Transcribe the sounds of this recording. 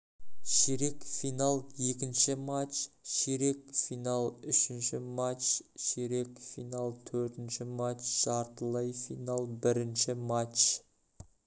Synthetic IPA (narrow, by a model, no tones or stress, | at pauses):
ʃeɾe̞kfijnalˠje̞kʲɪnʃɪmat͡ʃʃeɾe̞k̚fijnalˠʏʃɪnʃɪmat͡ʃʃeɾe̞kfijnalˠt̪ʰɵɾt̪ɪnʃɪmat͡ʃʒ̥ɑɾt̪əlˠɑjfijnalˠbɪɾɪnʃɪmat͡ʃ